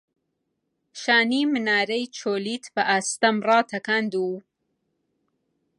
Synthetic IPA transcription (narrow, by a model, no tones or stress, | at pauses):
ʃaːniːmɨnaːɾɐjt͡ʃʰoːliːt̪ʰbɐʔaːst̪ɐmrɑːt̪ʰɐkand̪uː